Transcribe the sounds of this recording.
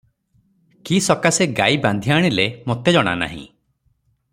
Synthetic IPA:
kisɔkaseɡajband̪ʱiaɽ̃ilemot̪ed͡ʒɔɽ̃a̰na̰ɦḭ̃

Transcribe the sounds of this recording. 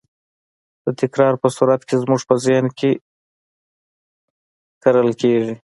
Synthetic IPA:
d̪̥ət̪ɪkɾɑɾpəsuɾat̪kezmuʐpəzɪhnkʰe | kaɾəlkeʐi

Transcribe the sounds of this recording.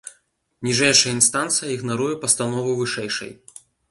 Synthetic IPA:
nʲiʐɛjʂɐjɐinst̪ant̪sɨjɐiɣnaɾujɛpɐst̪anɔvɨvɨʂɛjʂɐ̰j

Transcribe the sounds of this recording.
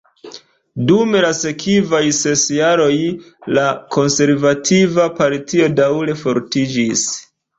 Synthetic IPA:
dume̞lase̞kʰivajse̞sjaɾo̞j | lako̞nse̞ɾvatʰivapalitio̞dawle̞fo̞ɾtid͡ʒis

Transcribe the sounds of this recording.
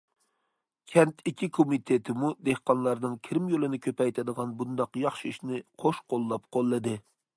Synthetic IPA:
kʲʰɛnt̪ʰikʲʰːikʰomit̪ʰet̪ʰɪmud̪ehqɑnlˠɑɾnɨŋkʲʰɪɾɪmjolˠɨnɪkʲʰøpɛjt̪ʰɪd̪əʁɑnbund̪ɑqjɑχʃiiʃnɪqʰoʃqolˠːɑpqʰolˠːɨd̪ɨ

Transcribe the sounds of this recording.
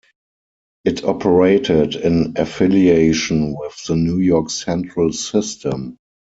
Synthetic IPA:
ʔɪtʰɔpʰəɹeɪtʰɪdɪ̃nʔəfɪlieɪʃə̃nwɪθðənjujɔksɛ̃ntɹəlsɪstə̃m

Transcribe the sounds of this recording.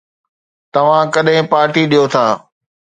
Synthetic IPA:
t̪ɐʋ̤ãkɐɗɦɪ̃paːɾʈiɗijot̪ʰaː

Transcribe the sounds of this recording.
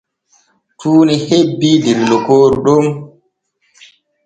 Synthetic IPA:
tʰuːnihebːidilːɔkoːɾuɗom

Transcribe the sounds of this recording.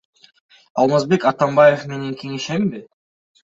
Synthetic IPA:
ɑlˠmɑzbe̞kat̪ambajefme̞ne̞ŋkʲʰe̞ŋe̞ʃembɪ

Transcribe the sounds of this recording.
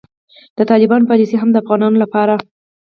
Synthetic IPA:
d̪̥ət̪ɑlɪbɑnopɑliseɦamd̪əafɣɑnɑnolapɑɾa

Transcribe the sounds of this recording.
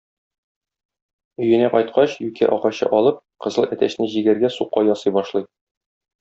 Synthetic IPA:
ɵ̆jɘ̆næqɒjt̪̚qɑɕjʉkæ̰ʔɒqɑɕɤ̰ʔɒlˠɤp̚qɤ̆zɤlˠæt̪æɕnɘʑiɡæɾɡæsuqːɑjɒsɤjbɒʃlˠɤj

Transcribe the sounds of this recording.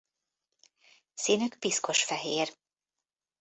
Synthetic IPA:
sinykpisko̞ʃfɛɦeːr

